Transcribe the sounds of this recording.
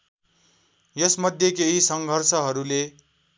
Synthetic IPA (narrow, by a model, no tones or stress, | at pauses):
jʌsmʌd̪ʱjekeɦisʌŋɡʱʌrsʌɦʌɾule